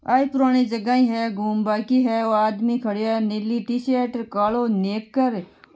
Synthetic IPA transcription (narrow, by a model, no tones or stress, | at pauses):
a̰ːipʊɾaːɽ̃id͡ʒɐɡaːĩɦɛɡʱuːmbaːkiɦɛoːaːd̪mikʰɐɽjaneliʈiːseːʈɾkaːloneːkːəɾ